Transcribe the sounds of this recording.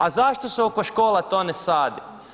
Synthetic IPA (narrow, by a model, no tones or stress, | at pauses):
azaʃt̪oseoko̞ʃkoːlat̪oːnesaːd̪i